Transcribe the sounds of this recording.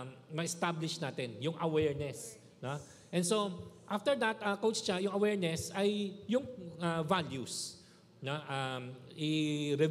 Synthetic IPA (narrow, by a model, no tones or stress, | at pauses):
mɐɛst̪ablɪʃnaːt̪ɛnjʊŋʔɐwɛɹnɛs | no | ʔɛ̃nsoʔaft̪ɛɹd̪ɐt̪ɐkowt͡ʃt͡ʃajʊŋɐwɛɹnɛsɐjːʊŋavaljus | noʔamʔɪɾɛ